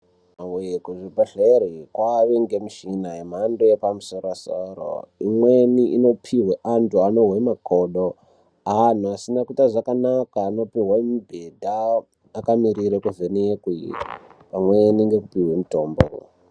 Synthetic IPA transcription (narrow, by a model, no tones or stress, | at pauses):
maweekuʐibʱaɬeɾikwaʋeŋɡemiʃinaem̤andojepamusoɾasoro̰imweniʔino̞pʰiɦweʔantuanoɦemakʰoɗo | an̤uasinakutaʐakanakaːno̞piɦwaimubʱedʱaː | kamiriɾekuvenekwipamweniŋɡe̞kupiɦwemutoːmbo̰rṵ